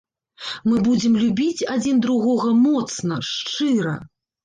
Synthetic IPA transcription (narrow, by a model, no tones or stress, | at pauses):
mɨbud͡zʲɛmlʲubʲit͡sʲad͡zʲind̪ɾuɣɔɣɐmɔt̪snɐʂt͡ʂɨɾɐ̰